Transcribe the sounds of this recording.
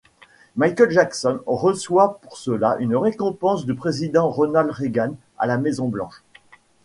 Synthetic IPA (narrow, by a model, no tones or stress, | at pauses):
majkʲɛlʒaksɔnʁəswapuʁsəlaʔynʁekɔ̃pɑ̃sd̪ypχezid̪ɑ̃ʁɔnalʁeɡan | a̰lamezɔ̃blɑ̃ʃ